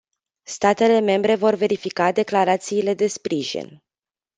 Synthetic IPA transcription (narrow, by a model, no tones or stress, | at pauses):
st̪at̪e̞le̞me̞mbɾe̞vo̞rve̞ɾifikad̪e̞klaɾat̪siːle̞d̪e̞spɾiʒḭn